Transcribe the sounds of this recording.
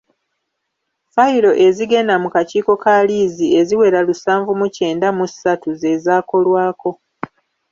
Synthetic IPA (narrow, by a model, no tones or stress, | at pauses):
faiɾo̞ʔe̞ziɡe̞namukaciːko̞kaliːzie̞ziwe̞ɾalusaːɱvumuce̞ːndamusatuze̞zaːko̞lwaːko̞